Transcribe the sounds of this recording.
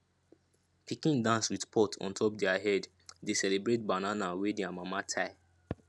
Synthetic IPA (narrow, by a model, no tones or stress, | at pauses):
pikĩndãnswidpʰɔtʰɔ̰̃ntʰɔp̚dɛaɦɛd | desɛlebɹet̚bananawedɛamamatʰaɪ